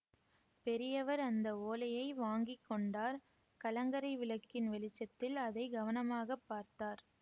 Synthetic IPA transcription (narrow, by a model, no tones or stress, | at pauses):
pɛɾɪjɐʋɐɾɐnd̪ɐoːlɐjɐɪʋaːŋɡɪkːɔɳɖaːɾ | kɐlɐŋɡɐɾɐɪʋɪɭɐkːɪnʋɛlɪt͡ʃːɐt̪ːɪlɐðɐɪɡɐʋɐnɐmaːɣɐpːaːɾt̪aːɾ